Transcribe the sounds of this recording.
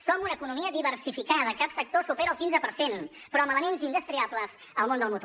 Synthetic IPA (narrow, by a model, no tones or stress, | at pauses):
sɔmunəkunumiəðiβəɾsifikaðəkapsək̚t̪osupɛɾəːlˠkinzəpəɾsen | pɾɔəmələmenzind̪əst̪ɾiapləz | əlˠmond̪əlˠmut̪o